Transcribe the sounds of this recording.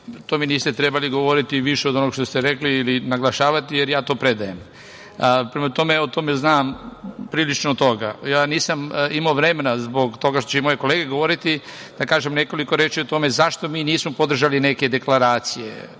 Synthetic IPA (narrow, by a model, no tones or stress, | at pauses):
t̪oːminiːst̪et̪ɾebaliɡo̞ʋo̞ɾit̪iʋiʃeod̪onoɡʃt̪ost̪eɾekliːlinaɡlˠaʃaːʋat̪ijeɾjaːt̪o̞ːpɾe̞d̪aje̞m | pɾemat̪o̞me̞ot̪o̞meznaːmpɾiːlit͡ʃnot̪o̞ɡajaːniːsamimaoʋɾemenazbo̞ɡt̪o̞ɡaʃt̪ot͡ʃeimo̞jeko̞leːɡe̞ɡo̞ʋo̞ɾit̪id̪̥akaːʒemne̞ko̞liko̞ɾeːt͡ʃiot̪o̞me̞zaʃt̪o̞miːniːsmopo̞d̪r̩ʒaline̞ke̞d̪e̞klaɾaːt̪sijḛ